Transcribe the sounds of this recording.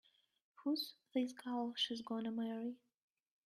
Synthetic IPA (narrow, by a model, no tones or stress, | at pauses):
huzðizɡʰalˠʃizɡɔnəmɛɹi